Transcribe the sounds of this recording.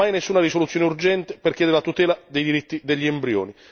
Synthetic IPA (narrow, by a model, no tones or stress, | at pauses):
ajnesːuːnaɾisolut̪sːjoːnɪurd͡ʒɛnt̪ɪperkʲjɛːd̪eɾelat̪ut̪ɛːlad̪ejd̪iɾit̪ːid̪eʎːiembɾjo̰ːni